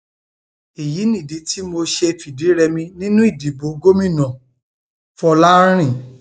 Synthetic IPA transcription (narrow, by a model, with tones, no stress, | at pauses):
i˨ji˨˦nĩ˦˨di˨˦ti˦mo˧ʃe˧fi˨di˨˦ɾɛ˧mĩ˧nĩ˦nũ˦i˦˨di˨˦bo˨˦ɡo˦mĩ˦˨nã˨ | fɔ˧la˦ɾ̃ĩ˦˨